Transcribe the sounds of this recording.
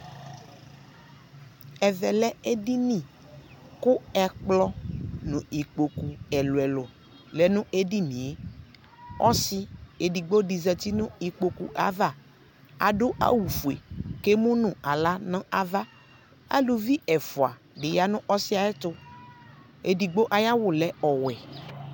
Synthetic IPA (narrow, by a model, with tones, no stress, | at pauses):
ɛ˨vɛ˨lɛ˦e˦di˦nĩ˦˨ | kʊ˦ɛ˨k͡plɔ˦nʊ̃˨i˨k͡po˨ku˨ɛ˨lʊ˨ɛ˨lʊ˨ | lɛ˨nʊ̃˦ʔe˦di˦nĩ˨e˦ | ɔ˦sɪ˦e˨di˨ɡ͡bo˦di˨zɛ˨t̪i˦nʊ̃˦i˨k͡po˨kṵ˨ʔa˨˦va˦˨ | a̰˨ɖʊ˦ʔa̰˦wu˨fu˨ḛ˨ke˦mũ˦nʊ̃˨a˨la˦nɔ̃˦a˦va˦ | a̰˦lu˨vi˦ɛ˨fʊ˨a˨ | ɖɪ˨ja˨nʊ̃˦ʔɔ˦sɪ˦a˨ɛ˦t̪ʊ˦ | e˨di˨ɡ͡bo˦ʔa˨ja˦wʊ˨lɛ˨ɔ˨wɛ˨